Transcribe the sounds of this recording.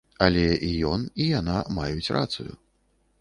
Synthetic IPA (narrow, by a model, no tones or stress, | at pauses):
ɐlʲɛijɔnijanamajut͡sʲrʔa̰t̪sujṵ